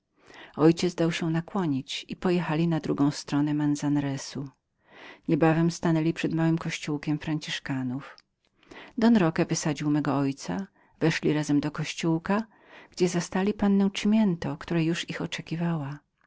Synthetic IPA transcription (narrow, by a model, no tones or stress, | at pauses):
ɔjt͡ɕɛzd̪awɕɛnakwɔɲit͡ɕipɔjɛxalʲinad̪ɾuɡɔ̃w̃st̪ɾɔnɛmanzanɾɛsu | ɲɛbavɛmst̪anɛlʲipʂɛd̪mawɘmkɔɕt͡ɕuwkʲɛmfɾaɲt͡ɕiʂkanuf | d̪ɔnɾɔkɛvɘsad͡ʑiwmɛɡɔɔjt̪sa̰ | vɛʂlʲiɾazɛmd̪ɔkɔɕt͡ɕuwka | ɡ̥d͡ʑɛzast̪alʲipanːɛ̃w̃t͡ʂmʲjɛnt̪ɔkt̪uɾajuʂixɔt͡ʂɛkʲivawa